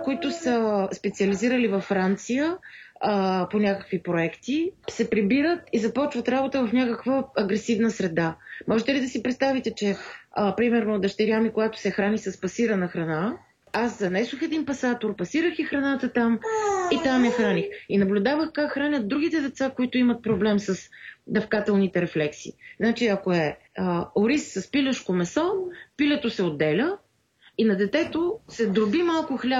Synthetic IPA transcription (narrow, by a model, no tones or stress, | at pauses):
koit̪ʊsəspɛt̪siəliziɾəlivɐfːɾant̪sijə | ponʲakə̥kvipɾoɛkt̪isɛpɾibiɾət̪izɐpɔt͡ʃvət̪ɾabot̪əvɐfnʲakəkvəːɡɾɛsivnəsɾɛd̪amɔʒɛt̪ɛlid̪ɐsipɾɛt̪st̪avit̪ɛt͡ʃɛpɾimɛɾnoːd̪ɐʃt̪ɛɾʲjamikoɡat̪ʊ̥sɛxɾanisəspɐsiɾənəxɾɐna | aszɐnɛsoxɛd̪inpɐsat̪oɾpɐsiɾəxixɾɐnat̪ət̪amit̪amjɛxɾanixinɐblʲʊd̪avəxkakxɾanʲət̪̚d̪ɾuɡit̪ɛd̪ɛt̪sakoit̪ʊimɐt̪̚pɾoblɛmsəsd̪ɐfkat̪ɛlˠnit̪ɛɾɛflɛksḭːznat͡ʃiɐkoɛəoɾissɐspilʲəʃkomɛsɔpilʲɛt̪osɛod̪ːɛlʲə | inɐd̪ɛt̪ɛt̪osɛd̪ɾʊbimalˠkʊxlʲa